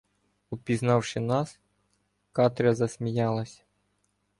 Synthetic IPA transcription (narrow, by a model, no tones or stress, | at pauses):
ɔpʲiznɑwʃɪnɑs | kɑt̪ɾʲɐzɐsʲmʲijɑlˠɐsʲ